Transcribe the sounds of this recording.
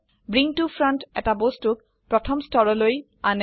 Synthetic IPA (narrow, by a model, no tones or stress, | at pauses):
bɹiŋtufʰɹɔntɛ̰tabostʊk | pɹɔtʰɔmstʰɔɹɔloj | anɛ